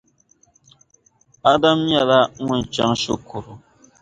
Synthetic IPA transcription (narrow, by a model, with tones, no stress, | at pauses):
a˦da˦mja˨la˦ŋu˦n˨t͡ʃa̰˦ŋʃo˦kʰo˨ɾo˨